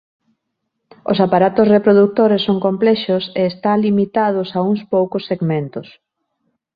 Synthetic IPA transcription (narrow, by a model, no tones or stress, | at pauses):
ʊ̰sapaɾat̪ʊsrepɾoðuk̚t̪oɾesːoŋkomplɛʃʊseːst̪alimit̪aðʊsauŋspowkʊsːeɡmẽnt̪ʊs